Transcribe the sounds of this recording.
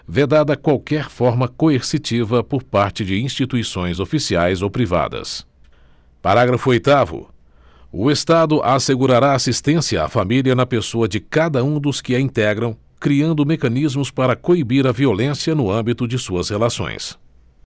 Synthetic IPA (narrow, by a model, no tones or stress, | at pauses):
ved̪ad̪ɐkwawkɛɾfɔɾmɐkoeɾsit͡ʃivɐpoɾpaɾt͡ʃɪd͡ʒɪĩst͡ʃit̪uisõj̃zofisiajzowpɾiva̰d̪ɐ̰s | paɾaɡɾɐfʊojt̪avʊ̰ | ʊest̪ad̪ʊʔaseɡuɾaɾaːsist̪ẽsiɐa̰familiɐnɐpesoɐd͡ʒɪkad̪ɐũd̪ʊskɪɐĩnt̪ɛɡɾɐ̃w̃ | kɾiɐ̃nd̪ʊmekɐ̃nizmʊspaɾɐkoibiɾɐviolẽsjɐnʊɐ̃mbit̪ʊd͡ʒɪsuɐshelasõ̰j̃s